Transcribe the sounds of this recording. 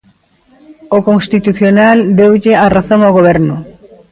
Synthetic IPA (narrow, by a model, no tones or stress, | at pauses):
okoŋst̪it̪uθjonald̪ewʎɪaraθoŋawɣoβ̞ɛɾnʊ